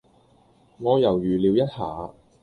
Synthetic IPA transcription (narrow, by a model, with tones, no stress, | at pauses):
ŋɔː˨˧jɐ˨˩wjyː˨˩li˨˧wjɐ˥t̚ha̰ː˨˧˦